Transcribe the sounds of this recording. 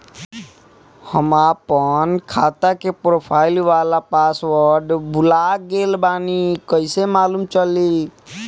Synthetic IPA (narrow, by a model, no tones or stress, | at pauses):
həmapənkʰaːt̪akepɾopʰaːɪlʋaːlapaswəɾɖbʱulaɡeːlbaːnikəɪsemaːlumt͡ʃəli